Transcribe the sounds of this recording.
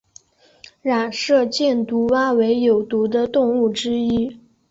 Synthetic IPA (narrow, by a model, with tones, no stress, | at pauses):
ɻa˨˩nʂɤ˥˧t͡ɕjɛ˥˩nt̪u˧˥wa˥we˧˥ɪjo˨˩ʊt̪u˧˥d̪ə˧t̪ʊ˥˧ŋu˥˩ʈ͡ʂɻ̩˥i˥